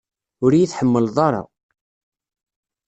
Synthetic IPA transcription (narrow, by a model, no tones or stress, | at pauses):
ʊɾjiθħəmːəlðˤɑɾˤɑ̰